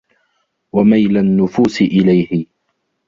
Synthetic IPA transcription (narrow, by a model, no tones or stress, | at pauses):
wamajlanːʊfuːsɪʔɪlajhɪ